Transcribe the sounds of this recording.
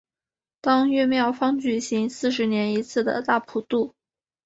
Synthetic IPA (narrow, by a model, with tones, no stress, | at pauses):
t̪ɑ˥ŋɥɛ˥˧mjɑ˥˩ʊfɑ˥ŋt͡ɕy˨˩ɕi˧˥ŋsɹ̩˥˩ʂ̬ɻ̩˧˥njɛ˧˥ni˧˥t͡sʰɹ̩˥˩d̪ə̰˨˩t̪a˥˩pʰu˨˩t̪u˥˩